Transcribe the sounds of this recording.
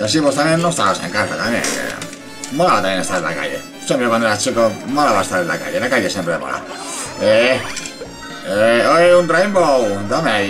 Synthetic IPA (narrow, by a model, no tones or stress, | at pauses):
as̬imost̪amjenːoest̪aosḛ̃ŋkasat̪amjḛ̃kḛ | molaβat̪amjenest̪aɾela̰ka̰ʎḛ | semjoβaneɾat͡ʃikomalaβaest̪aɾela̰ka̰ʎelakaʎesjempɾemo̰la̰e | eoeunt̪ɾejmbowd̪ame